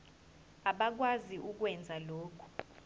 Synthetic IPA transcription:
aɓak̬waziʔuk̬wɛnd͡zʱaloːkʰu̥

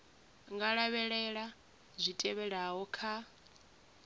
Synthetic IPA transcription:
ŋɡaɺaβɛɺɛɺa | zʷitʼɛβɛɺaɦɔkʰa

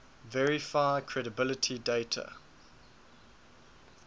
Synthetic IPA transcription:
vɛɹifaɪəkʰɹ̥ɛɾəbɪlətʰideɪtʰə̰

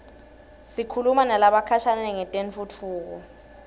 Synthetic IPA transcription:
sikʰulumanalaɓakʰaʃanɛnɛŋɛtʼenfut͡fʰuːk̬ɔ

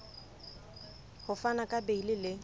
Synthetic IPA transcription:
hʊfanakʼabeilɪlɪ

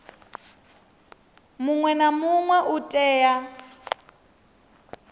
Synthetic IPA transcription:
muŋwɛnamuŋwɛʔutʼɛːja

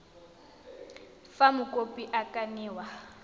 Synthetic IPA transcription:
famʊkʼopʼiʔakʼaniːwa

